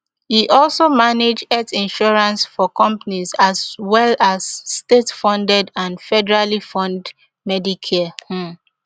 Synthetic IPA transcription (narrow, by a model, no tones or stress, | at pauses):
hiʔɔlsomaned͡ʒdɛtĩnʃɔɹãnsfɔkɔ̃mpanizazwɛlazːtetfɔ̃ndɛdãnfɛdɛɹalifɔ̃nd | mɛdikʰɛhũ